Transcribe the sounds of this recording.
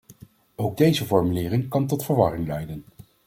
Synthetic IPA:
owɡ̚dejzəvɔɹmylɪːrɪŋkɑntɔtfəɹʋɑrɪŋlɛjdən

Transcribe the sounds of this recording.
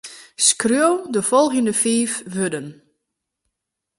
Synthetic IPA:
skrjowdəfɔlˠɣəndəfiːfʋødən

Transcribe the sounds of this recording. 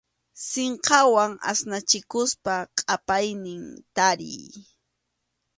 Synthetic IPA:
seɴqɑwaŋa̰snat͡ʃɪkʊspaqʼapajnɪŋt̪aɾɪ̰j

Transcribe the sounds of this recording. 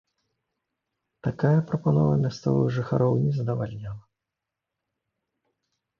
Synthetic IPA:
t̪akajɐpɾɐpanɔvɐmʲast̪sɔ̰vɨ̰ɣʐɨxaɾʔɔwnʲɛzɐd̪ɐvalʲnʲalˠɐ

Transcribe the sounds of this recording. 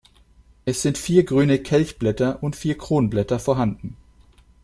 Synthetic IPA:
eːsɪnt̪fiːʁɡʁyːnəkʰɛlçb̥lɛt̪əʁʊnfiːʁkʰʁuːnblɛt̪əfɔhɑnd̪n̩

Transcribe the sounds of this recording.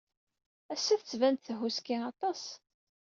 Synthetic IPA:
æsːæθət͡sːvænt̪θəɦuskiɑt̪ˤɑs

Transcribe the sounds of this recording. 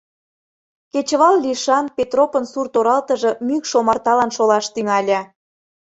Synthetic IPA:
ket͡ɕəβɑlliʃɑnpʲet̪ropənsurt̪oɾɑlt̪ə̆ʒɤ̆mykʃomɑrt̪ɑlɑnʃolɑʃt̪yŋɑlʲɑ

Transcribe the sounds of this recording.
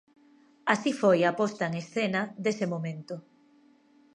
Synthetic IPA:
asifojapɔst̪aeŋesθenɐd̪esemomẽnt̪ʊ

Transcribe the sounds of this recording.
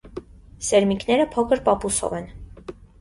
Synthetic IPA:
sɛɾmikʰnɛɾəpʰɔkʰəɾpɑpusɔ̰vɛn

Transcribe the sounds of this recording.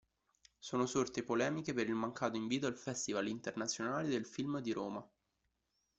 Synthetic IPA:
soːnosort̪epolɛːmikepeɾilmaŋkaːt̪oiɱviːt̪oalfɛst̪ivalint̪ernat̪sːjonaːled̪elfilmd̪iɾoːma

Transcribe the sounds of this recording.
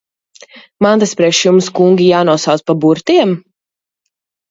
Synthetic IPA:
mant̪aspɾɛʃjumskuŋɡʲijaːnuɔsawt̪spabuɾt̪iɛm

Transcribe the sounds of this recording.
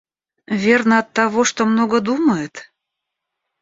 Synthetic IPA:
vʲernəɐt̪ːɑβoʃt̪omnoɡəd̪uməjet̪

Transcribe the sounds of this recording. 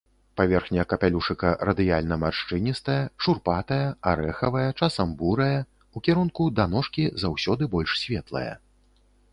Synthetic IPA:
pavʲɛrxnʲɐjɐkɐpʲalʲuʂɨkɐrɐd̪ɨjalʲnɐmarʂt͡ʂɨnʲist̪ɐjɐʂurpat̪ɐjɐaɾɛxɐvɐjɐt͡ʂasɐmbuɾɐjɐ | ukʲiɾunkud̪anɔʂkʲizawsʲɔd̪ɨbɔlʲʂsʲvʲɛt̪lˠɐ̰jɐ̰

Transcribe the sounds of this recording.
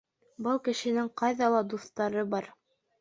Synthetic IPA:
bɤlˠkɘ̆ʃɘ̆nɘŋqɑjðɑlˠɑd̪uθt̪ɑɾɤbɑɾ

